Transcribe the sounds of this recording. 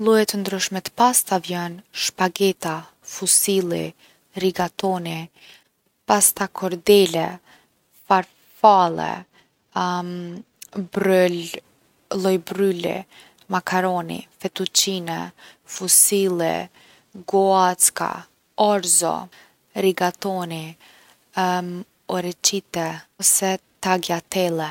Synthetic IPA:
lˠujɛt̪ənd̪ɾyʃmɛt̪past̪avjɛnʃpaɡɛt̪a | fusilˠḭ | ɾiɡat̪ɔni | past̪akʰɔɾd̪ɛlɛ | faɾ | falˠɛ̰ | bɾul | lˠɔjbɾylḭ | makʰaɾɔnḭfɛt̪ut͡ʃinɛ̰fusilˠɛ̰ | ɡɔat͡ska̰ | ɔɾzɔ̰ | ɾiɡat̪ɔni | m | ɔɾɛt͡ʃit̪ɛɔsɛt̪aɡjat̪ɛlˠɛ

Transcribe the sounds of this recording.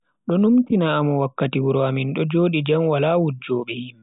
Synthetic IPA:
ɗɔnumtinaːmuwakːatiwuɾɔaminɗɔd͡ʒoːɗid͡ʒamwalaːwud͡ʒɔːɓɛhim

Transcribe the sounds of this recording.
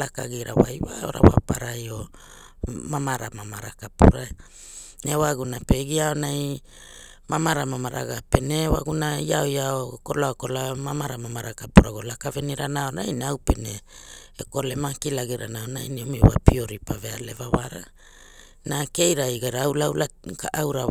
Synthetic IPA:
laka̰ɡiɾa̰wa̰jwao̞̰ɾa̰wa̰paɾajo̞ | mamaɾamamaɾakapuɾa | newaɡunape̞ɡiaonaj | mamaɾamamaɾʔaɡape̞newa̰ɡunaiaojaokolaoko̞lamamaɾamamaɾakapuɾaɡolakaveniɾanaonajnawpeneeko̞lemakilaɡiɾʔa̰naonajniomewa̰pioɾipaveale̞vawaɾa | nake̞jɾajɡaɾaawlawlakaʔawɾa

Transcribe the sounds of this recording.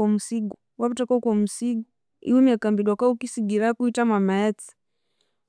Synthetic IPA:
ɔmusiɡu | waβutakɔkɔm̩siɡu | ḭumiakambilwakaukisiɡiɾakuitamwamaɛt͡si̥

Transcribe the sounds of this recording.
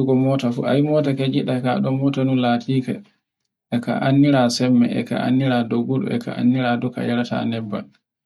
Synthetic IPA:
uɡɔmɔtafṵa̰jmɔtaked͡ʒiɗakaɗɔmɔtanulatʰiːka̰ | ɛka̰ʔanːiɾasɛmːɛ̰ɛ̰ka̰ʔa̰nːiɾadoɡuɗṵɛ̰ka̰ʔa̰nːiɾadɔka̰jaɾata̰nɛbːa̰l

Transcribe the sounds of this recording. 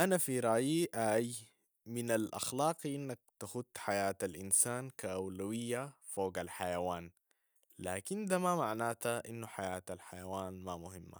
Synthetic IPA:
ʔanafiɾˤɑʔjiʔaːj | minalʔɑ̰xlɑːqiʔinːak̚t̪axut̪ːħajaːt̪alʔinsaːnkaʔawlawijːafoːɡalħajawaːn | laːkind̪amamaʕnaːt̪aʔinːuħajaːt̪alħajawaːnmamʊɦimːa̰

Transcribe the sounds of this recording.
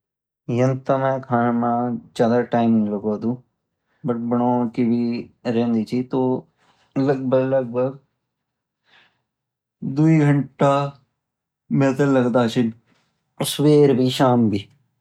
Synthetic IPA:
jənt̪amɛ̃ːkʰaːnamãːt͡ʃaːd̪aːʈaːɪmɪləɡoːd̪ũː | bəʈ̚bəɽ̃oːkiːbiːɾẽːnd̪iːt͡ʃiːt̪oː | ləɡ̚bəɡləɡ̚bʱəɡ | d̪uiːɡʱəɳʈaː | mɛ̃ːt̪eːləɡd̪aːt͡ʃɪn | sweːɾbʱiːʃaːmbʱiː

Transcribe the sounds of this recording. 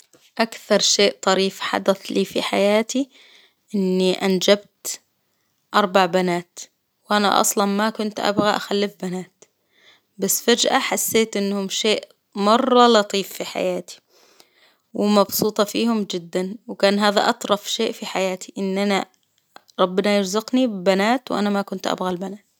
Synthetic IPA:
ʔakθɑɾˤʃeːʔt̪ˤɑɾiːfħa̰d̪aθliːfḭħa̰jaːt̪i | ʔɪnːiʔand͡ʒabt̪ | ʔɑɾˤbaʕbanaːt̪ | wʔana̰ʔɑ̰sˤlɑnmakʊnt̪ʔa̰bɣaʔaxalːɪfbanaːt̪ | basːfad͡ʒʔaħasːeːt̪ʔɪnːhʊmʃeːʔ | mɑrˤːɑlɑt̪ˤiːfːiħa̰jaːt̪i̥ | wɪmɑbsˤuːt̪ˤɑfiːhʊmd͡ʒɪd̪ːanwkaːnɦaːða̰ʔɑt̪ˤɾˤɑfʃeːʔfiħajaːt̪i̥ʔɪnːʔana | ɾˤɑbːɪnɑjɪɾzʊqnibbanaːt̪wʔa̰namakʊnt̪ʔa̰bɣalbanaːt̪

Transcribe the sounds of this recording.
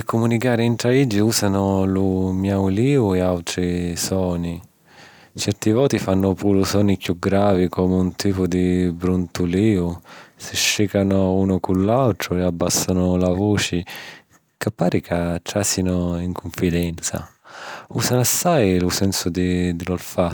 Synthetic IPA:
ɪkːʊmunikaːɾɪɛnt̪ɾaid͡ʒːiuːzanʊlumjawliːʊɛawt̪ɾisɔːni | t͡ʃɛrt̪ivɔːt̪ifanːʊpuːɾʊsɔːnikjuɡɾaːvikʰɔːmunt̪iːpʊd̪ibɾunt̪uliːʊsɪʃːikanʊuːnʊkulːalt̪ɾʊɛabːasːanʊlavoːt͡ʃɪ | kapːaːɾikat̪ɾasinʊiŋkʰʊɱfid̪ɛnt̪sa̰ | uːsanasːajlusɛnsʊd̪id̪ɪlɔlfa

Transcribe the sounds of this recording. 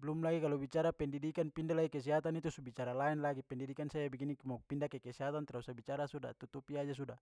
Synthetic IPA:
blumlaɡikalubit͡ʃaɾapɛndidikanpindalaɡikɛs̬iɦat̪anit̪usubit͡ʃaɾalaɛnlaɡipɛndidikansajabɛɡinikmapindakɛkɛsiɦat̪ant̪ɾausabit͡ʃaɾasuda̰t̪ut̪upiad͡ʒas̬uda

